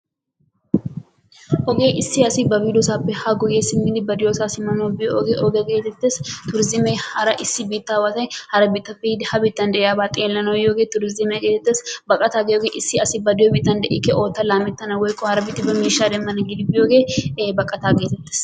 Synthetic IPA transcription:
ʔɔɡeːʔɪsːɪɐsɪbɐbiːlɔsaːpːɛhɐɡɔjesɪnːɪlɪbɐd̪ɪjosaːsɪmɐnɐwbɪjoɔɡeːʔɔɡeɡeːt̪ːɛt̪ːeːst̪ʊɾɪzɪmɛjhɐɾɐʔɪsːɪbiːt̪ːaːwɐt̪ɐjhɐɾɐbɪt̪ːɐfid̪hɐbɪt̪ːɐnd̪ɛʔɛjaːbaːt̪ʼeːlːɐnɐwjoɡeːt̪ʊɾɪzɪmɛɡeːt̪ːɛt̪ːeːsbɐkʼːɐt̪aːɡɪjoːɡeʔɪsːɪɐsɪbɐd̪ɪjoːbɪt̪ːɐnd̪ɛʔɪ̰kːɛʔoːt̪ːɐlaːmɛt̪ːɐnɐwɔjkʼːɔhɐɾɐbɪt̪ːɪbɐmiːʃːaːd̪ɛmːɐnɐɡɪd̪ɪbɪjoːɡeːbɐkʼːɐt̪aːɡeːt̪ɛt̪ːe̥ːs

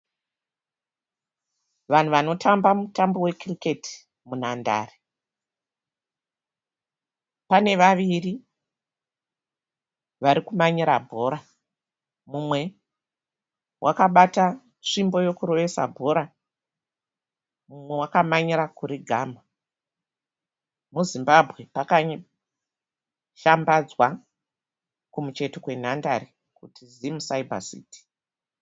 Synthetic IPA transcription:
ʋan̤uʋano̞tʰambamutambo̞we̞krike̞ti̥ | munanda̰ːre | pane̞ʋaʋiri | ʋaɾikumaɲiɾabʱo̞ɾa | mumwe̞ | wʔakaɓata | ʂimbo̞jo̞kuro̞ʋe̞sa̰bʱo̞ɾa | mumwe̞wakamaɲiɾakuɾiɡʱaːma | muzimbabʱɣe̞pakaɲ | ʃambad͡zwa | kumut͡ʃe̞tokwe̞n̤andaɾi | kutʰizimusaibʱa̰sḭːti̥

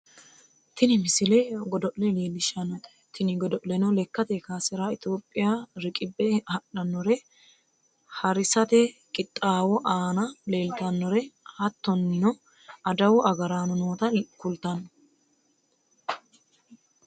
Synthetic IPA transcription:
t̪ʰɪnɪmɪsɪlɛɡɔd̪ɔʔlɛle̞ːlːɪʃɐnɔt̪ | t̪ɪnɪɡɔd̪ɔʔlɛnɔlɛkːɐt̪ɛkaːsɛɾaɪt̪oːpʼːɪjaːɾɪkʼɪbːɛhɐɗɐnːɔɾɛ | hɐɾɪsɐt̪ɛkʼɪt̪ʼːaːwɔʔaːnɐle̞ːlt̪ɐnːɔɾɛhɐt̪ːɔnːɪnɔ | ɐd̪ɐwʊʔɐɡɐɾaːnɔnoːt̪ɐkʊlt̪ɐnːɔ

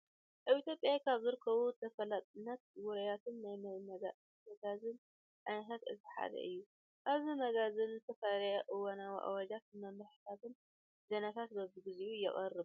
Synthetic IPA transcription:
ʔaβit̪ʰʲjopʼjakʰaβzɨɾɨkʰɐβut̪ʰɐfɐlat̪ʼɨnːɐt̪̚wɔɾɐjat̪ʰɨnːajmajmɐɡa | mɐɡazɨn | ʔanɦat̪ɨ̰t̪ɨħa̰d̪ɐ̰ʔɨjːu | ʔaβzimɐɡazɨnzɨt̪ʰɐfalɐjaʔɨwonawḭʔa̰wad͡ʒat̪nɐmɨħɨ̥t̪ʰat̪ɨn | zɐnat̪ʰat̪bɐbɨɡɨziujɛ̰χʼɐrːɨ

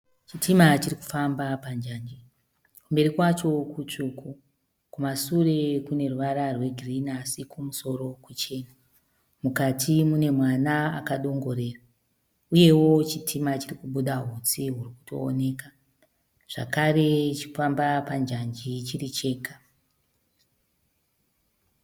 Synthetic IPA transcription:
t͡ʃitʰimat͡ʃiriku̥fambapand͡ʒand͡ʒi | kumbe̞ɾikwat͡ʃo̞kut͡ʂukʰu | kumasure̞kune̞ruʋaɾarwe̞ɡʱrinasikʰumuso̞ɾo̞kut͡ʃe̞ːna | mukatʰimune̞mwanaa̰kaɗo̞ŋɡo̞ɾe̞ːra | uje̞wo̞t͡ʃitʰimat͡ʃirikuɓuɗaɦut͡siɦuriku̥to̞̰ːne̞ːka | ʐ̥a̰kaɾe̞t͡ʃi̥fambapand͡ʒand͡ʒit͡ʃirit͡ʃe̞ːkḁ

